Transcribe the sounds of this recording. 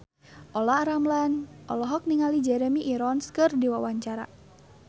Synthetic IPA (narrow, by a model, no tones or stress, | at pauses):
ʔɔlaaɾamlanʔɔ̰lɔɦɔk̚niŋalid͡ʒɛɾɛmiʔːɾɔnskɨrdiwawaɲt͡ʃaɾa̰